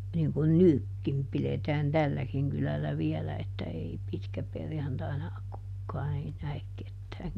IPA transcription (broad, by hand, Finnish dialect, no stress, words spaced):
niŋ kun nykːim piletæːn tælːækiŋ kylælːæ ʋiɛlæ etːæ ei pitkæperjɑntɑinɑ kukːɑːn ei næek ketːæːŋ